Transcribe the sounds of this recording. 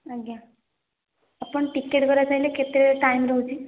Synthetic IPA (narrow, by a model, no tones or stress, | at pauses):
əɡja | apəɳʈikːeʈɡəɾat͡sajleket̪ɾeʈajmɾəɦut͡ɕi